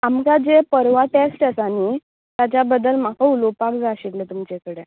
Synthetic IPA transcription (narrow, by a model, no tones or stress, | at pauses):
amkad͡zepəɾʋaʈesʈəsañi | t̪jat͡ɕjabəd̪əlm̤akəulopakd͡zaɕeklət̪umt͡ɕekəɽe